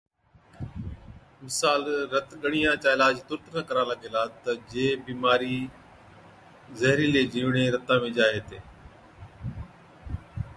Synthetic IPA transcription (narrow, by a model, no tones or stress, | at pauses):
mɪsaːlɾət̪ɠəɽ̃ijãːt͡ʃaːɪlaːd͡ʒt̪ʊɾt̪naːkəɾãːləɠeːlaːt̪əd͡ʒeːbiːmaːɾiː | zəɦɾiːleːd͡ʒiːʋɽ̃eːɾət̪ãːmẽːd͡ʒaːɦeːt̪eː